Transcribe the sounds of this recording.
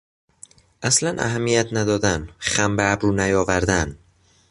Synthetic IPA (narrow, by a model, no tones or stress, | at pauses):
ʔæslænʔæ̰ɦæmːijæt̪ʰnæd̪ɒːd̪ænχæmbæːbɾuːnæjɒːvæɾd̪æn